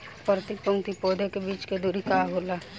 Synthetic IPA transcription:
pəɾt̪ipʊŋt̪ipoːd̪ekebiːt͡ʃked̪uɾikaːɡola

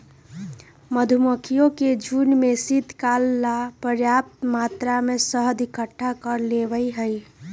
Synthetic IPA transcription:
məd̪ʱuməkʰijõked͡ʒunmesit̪kalːapəɾjap̚t̪mat̪ɾamesəɦd̪ʱikəʈʰːakəɾleʋəjɦəj

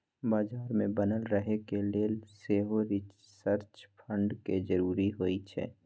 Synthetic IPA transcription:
baːd͡ʒaːɾmẽbənəlɾəɦekeleːseːɦoɾɪ | səɾt͡ʃpʰə̃ɳɖked͡ʒəɾuːɾiɦoːit͡ʃʰɛ̰ː

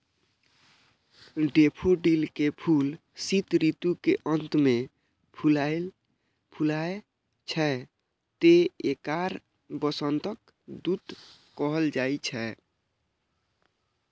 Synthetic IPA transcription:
ɖepʰoɖilkepʰul | sit̪ɾit̪ukeʔənt̪me | pʰulajl | pʰulae | t͡ʃʰɛ | t̪eekaɾ | bəsənt̪ək | d̪ud̪kɔɦəld͡ʒajt͡ʃʰɛ

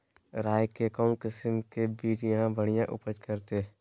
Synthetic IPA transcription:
ɾaːjkekɔːnkɪsmkebiːt͡ʃjɐɦãbʱəɽ̤̃ijãʔʊpəd͡ʒkɐɾt̪e

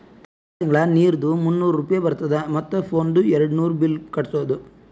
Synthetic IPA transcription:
t̪ɐ | t̪iŋɡɭɐniːɾd̪umunːuːɾɾuːpɐjebɐɾut̪ɐd̪ɐmɐt̪ːɐpʰoːnɖuɛɾɐɽunuːɾubilkɐɽɐsɐʋɐd̪u

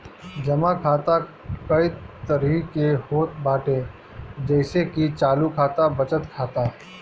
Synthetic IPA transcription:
d͡ʒɐmakʰaːt̪a | kɐit̪əɾikehoːt̪̚baːʈe | d͡ʒɛɪsekit͡ʃaːlukʰaːt̪abɐt͡ʃət̪kʰaːt̪aɦ

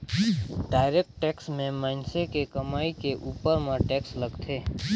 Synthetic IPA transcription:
ɖaːɪɾeːk̚ʈʈɛːksmẽmaːnsekekɐmaːikeʔuːpəɾmãʈɛːksləɡt̪ʰeː

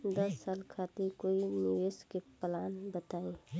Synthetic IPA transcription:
d̪əsːaːlkʰat̪iɾkoːinɪʋeskeplaːnbət̪aːe

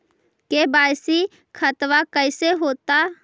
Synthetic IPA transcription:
kebaːjsi | kʰət̪wakəɪseɦoːt̪a

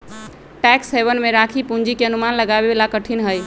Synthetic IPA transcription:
ʈɛksebənmeɾakʰipuɲd͡ʒikeənumanləɡabebelakəʈʰinɦəj

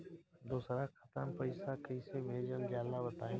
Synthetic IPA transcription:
d̪uːsɾakʰət̪ənpəɪsakəisebʱeːd͡ʒəld͡ʒaːlabɐt̪aːẽː

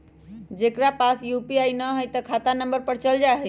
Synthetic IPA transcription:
d͡ʒekɾapasjupiajnəɦojt̪əkʰat̪anəmbəɾpəɾt͡ʃəld͡ʒaɦɛ

